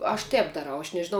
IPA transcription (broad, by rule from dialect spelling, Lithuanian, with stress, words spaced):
ɐʃ ˈtʲɛːp dɐˈrɐʊ ɐʃ nʲɛʒʲɪˈnɐʊ